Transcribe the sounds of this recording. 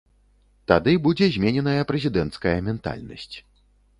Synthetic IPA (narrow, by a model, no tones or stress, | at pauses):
t̪ad̪ɨbud͡zʲɛzʲmʲenʲɛnɐjɐpɾɛzʲid̪ɛnt̪skɐjɐmʲɛnt̪a̰lʲnɐ̰sʲt͡sʲ